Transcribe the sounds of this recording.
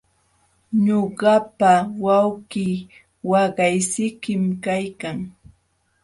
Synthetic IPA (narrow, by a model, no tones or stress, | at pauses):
ɲoɢɑpawawkiː | wɑɢɑjsɪkɪmkajkaŋ